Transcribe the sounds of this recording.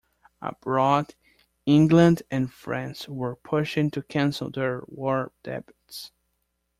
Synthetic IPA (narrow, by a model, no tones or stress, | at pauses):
ə̰b̥ɹɔd | ɪ̃ŋɡlə̃ndɨ̃nfɹæ̃nswə˞pʰʊʃɪ̃ŋtʰɨkʰæ̃nsl̩ˠðə˞wɔɹd̥ɛ̰bɪts